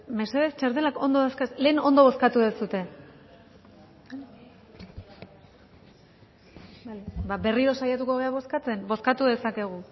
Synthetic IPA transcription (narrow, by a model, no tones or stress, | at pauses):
me̞se̞ðest͡ʃaɾt̪̬e̞lako̞nd̪oðaskasle̞ːno̞nd̪o̞βo̞skat̪uðesut̪e̞ | ajbabe̞riɾo̞sajat̪ukoβ̞e̞aβo̞skat͡se̞nbo̞skat̪uðe̞sake̞ɣ̞u